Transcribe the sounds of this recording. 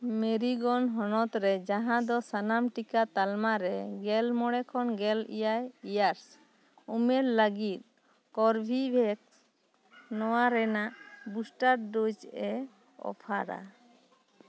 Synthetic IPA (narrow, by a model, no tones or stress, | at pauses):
meɾiɡɔnɦɔnɔt̪ɾɛd͡ʒaɦãd̪ɔsanamʈikat̪almaɾɛɡɛlmɔɽɛkʰɔnɡɛlḭjajijaɾs | umɛɾləɡit̪̚ | kɔɾbʱibʱɛk̚ | nɔwaɾɛnaʔbusʈaɾɖud͡ʒɛ | ɔ̰pʰaɾa̰